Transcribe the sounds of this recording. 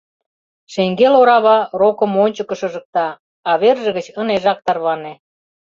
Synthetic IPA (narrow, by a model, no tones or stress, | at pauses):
ʃeŋɡeloɾɑβɑrokə̆monʲt͡ɕə̆kə̆ʃɤ̆ʒə̆k̚t̪ɑː | βerʒə̆ɣə̆t͡ɕəneʒɑk̚t̪ɑrβɑnĕ